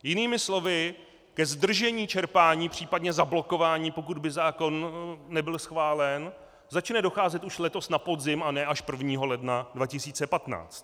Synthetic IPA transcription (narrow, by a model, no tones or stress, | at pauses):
jɪniːmɪslo̞vɪ | kɛzd̪r̩ʒɛɲiːt͡ʃɛɾpaːɲiːpr̝̥iːpadɲɛzablo̞ko̞vaːɲiːpo̞k̬ud̪bɪzaːko̞nːɛbɪlsxvaːlɛn | zat͡ʃnɛdo̞xaːzɛt̪ʔuʃlɛt̪o̞snapo̞dzɪmanɛːʔaʃpr̩vɲiːɦo̞lɛdnadvacɪsiːt͡sɛpat̪na̰ːt͡st̪